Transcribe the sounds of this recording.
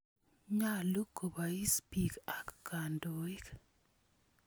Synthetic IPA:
ɲa˦˨lu˦kːo˨ba˨i˦spi˨ka˦kka˨ndo˨i˦k

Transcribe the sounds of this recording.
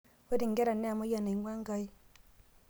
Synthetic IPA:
we˦di˨ŋɡe˦ɾa˨nːe˦a˨mo˦ja˨ne˨˦ŋwa˦ŋɡa˦i˦

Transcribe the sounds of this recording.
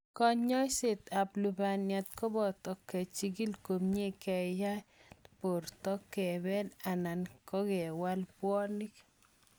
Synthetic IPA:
kɔ˦ɲɔ˦se˨t̪a˨plu˨ba˨nja˨t̪kɔ˦bɔ˨tɔ˨kːɛ˨t͡ʃi˦ɡi˦lko˨mɲe˦kɛ˨ja˦po˨ɾtɔ˦kːɛ˨bɛ˦na˨na˨nkɔ˦kɛ˨wa˦lpwɔ˦ni˦k

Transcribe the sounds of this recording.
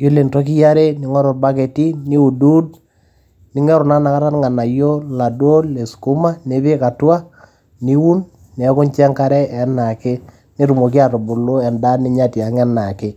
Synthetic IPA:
jo˦le˨ntɔ˦k̬i˦ja˦ɾe˦ni˨˦ŋɔ˦ɾɔ˨ɾba˦ke˨ti˦ni˦u˨du˦d | nɪ˨˦ŋɛ˦ɾʊ˨na˦na˨ka˦ɾa˦nŋa˨na˨jo˦la˨do˦le˨sku˦ma˦ne˨˦βe˦ka˨twa˦ | ni˦wu˦nː˨˦ | kʊ˦nt͡ʃɛ˦ŋka˦ɾɛ˦ɛ˨˦na˨kɪ˦ | ni˦ɾu˨mo˨ki˦a˨tʊ˨bʊ˨lo˦ɛ˨nda˦ni˦ɲa˦ti˨a˨ŋɛ˦na˨kɪ˦

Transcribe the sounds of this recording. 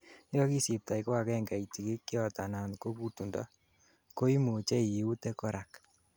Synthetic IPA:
jɔ˦ki˦si˨p̚ta˨i˨ko˦a˨kɛ˦ŋɡa˨i˨ti˨ki˦kːi˦ɔ˦ta˨na˨nko˦ku˦tu˨nda̰˦ | ko˦i˦mu˨t͡ʃɛ˦i˨u˦te˦kɔ˦ɾʔa˨k

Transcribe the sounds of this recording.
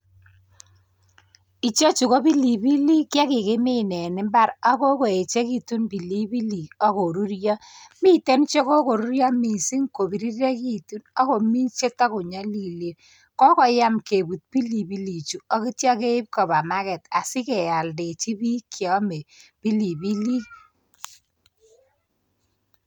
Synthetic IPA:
i˨t͡ʃo˦t͡ʃu˨ko˦bi˦li˨bi˦li˦kja˦kɪ˨kɪ˦mɪ˦nɛ˨nɪ˦mba˦ɾa˦ko˦ko˨e˨t͡ʃe˦ki˦tu˦nbi˨li˦bi˦li˨ɔ˦ko˨ɾu˦ɾjɔ˦mi˦te˦nt͡ʃe˦ko˦ko˨ɾu˦ɾjɔ˦mi˨si˦ŋko˨bi˨ɾi˦ɾe˦ki˦tu˦nɔ˦ko˨mi˦t͡ʃe˦ta˦ku˨ɲa˦li˨li˨ɾ | kɔ˦kɔ˨ja˦mke˨bu˨t̚pi˦li˨bi˦li˨t͡ʃu˨ɔ˦ki˦tjɔ˦ke˦ɪ˦p̚kɔ˨ba˨ma˦kɛ˨ta˨sɪ˦kɛ˨ja˨lde˨t͡ʃi˦bi˦kʰjɔ˨˦me˨b̥i˦li˨bi˦li˦

